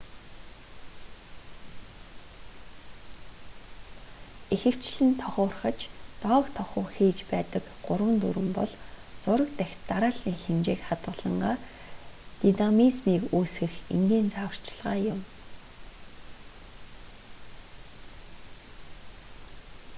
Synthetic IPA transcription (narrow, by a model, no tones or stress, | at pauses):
exɘ̆kt͡ɕɮɘ̆nt̪ʰɔχʊːrχə̆t͡ɕt̪ɔːkt̪ʰɔχʊːxiːt͡ɕpæːt̪ə̆k | ɢʊrwə̆nt̪ṵɾɘ̆mpɔ̰ɮt͡sʊɾə̆kt̪æxʲt̪ːaɾaːɮiːŋxemt͡ɕeːkχat̪ɢə̆ɮə̆ɴɢaː | t̪inamismiːkuːsxɘ̆xḛmɡ̪iːnt͡sʰaːwə̆r̥t͡ɕɪɮʁaːjʊm